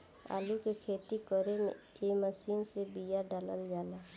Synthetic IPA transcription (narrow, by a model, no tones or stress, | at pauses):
a̰ːlukekʰeːt̪ikəɾemḛ̃ | eməsiːnsebijaɖaləljaːla